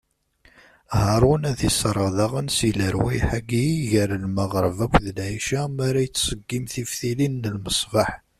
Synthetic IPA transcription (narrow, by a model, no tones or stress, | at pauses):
hɑɾˤʊnæðisɾˤəʁðɑʁənsiləɾwæjħaɡiʝəɾlməʁɾˤəvækʷːðəlʕiʃamaɾajət͡sːsəɡːimθifθilinːəlməsˤvɑħ